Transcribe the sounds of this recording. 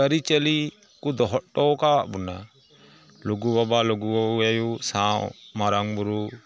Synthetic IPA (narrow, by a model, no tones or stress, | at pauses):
əɾit͡ʃɛli | kud̪ɔɦɔʔʈɔkaaʔbuna | luɡubabalɔɡuwauajusãwmaɾaŋbuɾu